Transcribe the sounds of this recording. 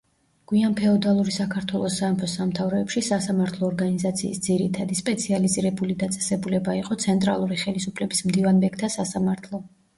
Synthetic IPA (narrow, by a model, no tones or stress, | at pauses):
ɡ̥wianpʰɛɔd̪alˠuɾisakʰaɾt̪ʰwɛlˠɔsaːmpʰɔsamt̪ʰavɾɔɛpʃisasamaɾt̪ʰlˠɔːɾɡanizat̪sʰḭːsd̪ziɾit̪ʰad̪ispʼɛt̪sʰializiɾɛbulid̪at̪sʼɛ̥sɛbulɛbaiqʼɔt̪sʰɛnt̪ʼɾa̰lˠuɾiχɛlisupʰlɛbismd̪ivanbɛk̚ʰt̪ʰasasamaɾt̪ʰlˠɔ